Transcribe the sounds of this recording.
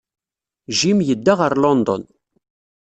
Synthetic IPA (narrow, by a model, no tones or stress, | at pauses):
ʒimjəd̪ːaʁəɾlɔnd̪ɔ̰n